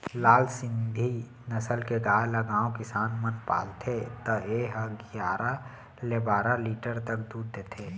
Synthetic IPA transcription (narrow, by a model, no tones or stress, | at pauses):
laːlsɪ̃nd̪ʱi | nəsəlkeɡaːləɡãːokɪsaːnmənpa̰ːlt̪ʰet̪ɔeɦəɡjaːɾa | lebaːɾaliːʈəɾt̪əkd̪uːɾd̪eːt̪ʰeː